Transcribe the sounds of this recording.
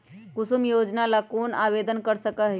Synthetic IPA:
kʊsumjoːd͡ʒnalakonaʋed̪ənkəɾsəkəɦ

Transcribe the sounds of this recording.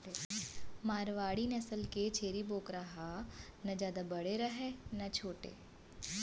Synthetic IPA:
maːɾʋaːɽinɐsəlket͡ʃʰeːɾiboːkɾaɦanɐd͡ʒjaːd̪abɐɽeɾɐɦenɐt͡ʃʰoːʈḛː

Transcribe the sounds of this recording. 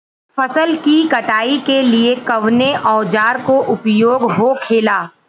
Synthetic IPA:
fʰɐsəlkikɐʈaːikeliekɐʋneʔɔːd͡ʒaːɾkoʔʊpjoːɡɦokʰeːlaː

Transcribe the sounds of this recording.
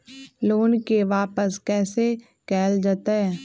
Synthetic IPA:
loːnkeʋaːpəskɛːse | kɛːld͡ʒaːt̪aɦɛː

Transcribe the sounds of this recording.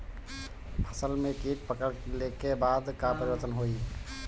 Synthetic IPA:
pʰəsəlmekiʈ̚pəkəɽlekebad̪kapəɾibəɾt̪ənɦoi

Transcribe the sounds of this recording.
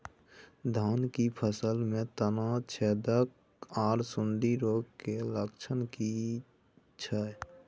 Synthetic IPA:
d̪ʱaːnkipʰəsəlmẽt̪ənat͡ʃʰɛːd̪ək | aːɾsʊɳɖiɾoːɡkeləkt͡ʃʰənki | t͡ʃʰəɛ

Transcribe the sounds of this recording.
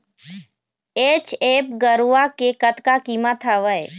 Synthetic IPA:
eːt͡ʃeːp̚ɡəɾuakekət̪kakimat̪ʰaʋəj

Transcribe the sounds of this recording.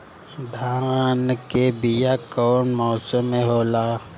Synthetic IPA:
d̪ʱankebɪjakɔːnmɔːsəmẽɦoːlaː

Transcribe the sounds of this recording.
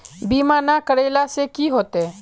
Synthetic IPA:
biːmanakəɽeːlasekiɦoːt̪e

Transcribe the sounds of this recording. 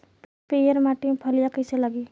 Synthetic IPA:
pejəɾmaʈipʰəlijakəseləɡi

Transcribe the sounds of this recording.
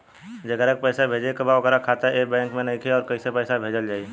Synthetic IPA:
d͡ʒɐɡəɾek̚pɛːsabʱeːd͡ʒekəbaʋɐɡɛːɾakʰaːt̪aebɛ̃ːŋkmẽnɐɦĩkʰeɔːɾkɐisepɛːsabʱeːd͡ʒəld͡ʒaːi

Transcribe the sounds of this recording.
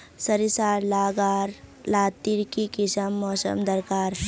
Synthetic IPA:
səɾisaːɾlaːɡaːɾlaːt̪iɾkikɪsəmːɔːsə̰md̪əɾkaːɾ

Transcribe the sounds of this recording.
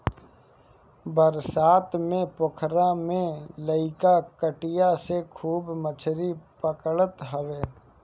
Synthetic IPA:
bəɾsaːt̪mẽpʊkʰɾamẽləɪkakəʈɪjasekʰuːbmət͡ʃʰɾipəkəɭət̪ɦəʋeː

